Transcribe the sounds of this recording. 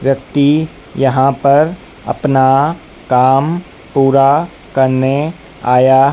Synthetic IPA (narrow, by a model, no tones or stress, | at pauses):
ʋjɐkt̪i | jɐɦãpɐɾ | ɐ̰pna | kaːm | puːɾa | kɐɾne | aːjaː